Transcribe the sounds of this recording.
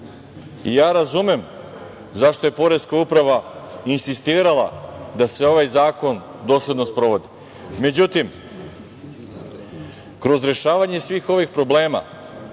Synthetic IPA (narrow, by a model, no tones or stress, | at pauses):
ḭjaːɾazume̞m | zaʃt̪o̞je̞po̞ɾeskaupɾaʋainsist̪iːɾalˠa̰d̪aseo̞ʋajzaːko̞n | d̪o̞ːslʲe̞d̪no̞spɾo̞ʋo̞d̪i | me̞d͡ʑut̪im | kɾo̞zɾe̞ʃaːʋaɲe̞sʋiːxo̞ʋixpɾo̞ble̞ːma̰